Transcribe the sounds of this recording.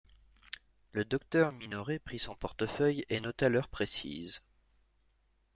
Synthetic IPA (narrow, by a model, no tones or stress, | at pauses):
ləd̪ɔk̚t̪œʁminɔʁepχisɔ̃pɔʁt̪əfœjenɔt̪alœʁpχesḭz